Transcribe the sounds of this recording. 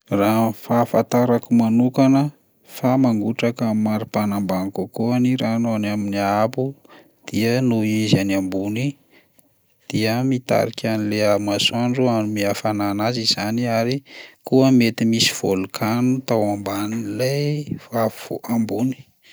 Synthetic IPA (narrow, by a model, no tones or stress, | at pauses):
rafafat̪aɾakumanukanə | famaŋɡuʈ͡ʂakəmaɾipanambanikukuaniɾanoanaminiabu | d̪̥iənuizanambuni | d̪̥iəmit̪a̰ɾikʲʰanileamasaɳɖ͡ʐuanimiafananaziz̥aniaɾikuəmet̪imisi̥v̥olukʰanut̪awambanilajvavuvoʔambuni̥